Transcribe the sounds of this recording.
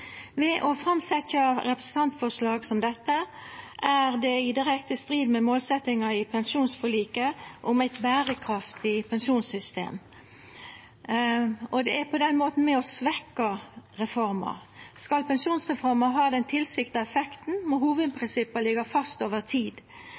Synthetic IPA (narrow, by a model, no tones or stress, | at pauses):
ʋɛʔɔfɾɑmsɛtːɑɾɛpɾəsn̩t̪ʰɑnt̪fɔʁʂlɑːɡsɔmd̪ɛt̪ːə | ʔæɾd̪ɛɪd̪ɪɾɛkt̪əst̪ɾiːd̪mɛmoːlsɛt̪ːɪŋɑɪpʰɛnsuːnsfɔliːkəʔɔmæɪt̪bæːɾəkʰɾɑft̪ɪpʰɛnʂuːnsʏst̪ḛːm | ɔd̪ɛæpʰɔd̪ɛnmoːt̪n̩mɛɔsʋɛkːɑʁɛfɔɾmɑ̰ɾskɑlpɛnʂuːnsʁɛfɔɾmɑɦɑːd̪ɛnt̪ʰɪlsɪkt̪ɑɛfɛkt̪n̩mɔɦuːʋəd̪̚pʰɾɪnsɪpːɑlɪɡɑfɑst̪oːʋəʁt̪ʰiːd̪